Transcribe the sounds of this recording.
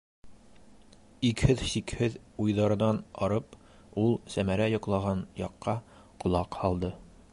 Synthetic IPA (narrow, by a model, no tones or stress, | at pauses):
ikhɘðɕikhɘðujðɑɾɤ̆nɑnɒɾɤp | ulˠsæmæɾæjɒ̆qlˠɑʁɑnjɑqːɑ | qŏlˠɑqhɒlˠd̪ɤ